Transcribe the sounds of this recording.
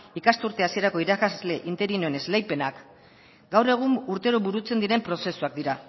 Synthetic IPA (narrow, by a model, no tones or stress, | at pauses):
ikast̪uɾt̪e̞asie̞ɾako̞iɾakazle̞ʔint̪e̞ɾinoene̞zlejpe̞nak | ɡawre̞ɣ̞umuɾt̪e̞ɾoβuɾut͡se̞nd̪iɾe̞mpɾo̞se̞suak̚d̪iɾa